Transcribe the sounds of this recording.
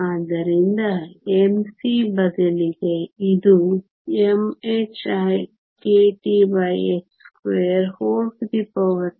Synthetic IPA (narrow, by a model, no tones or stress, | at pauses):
aːd̪ɐɾind̪ɐemsibɐd̪ɐliɡeid̪u | emet͡ʃaj | keʈiʋɐjekskʋeɐɾhoːlsd̪ipoʋɐ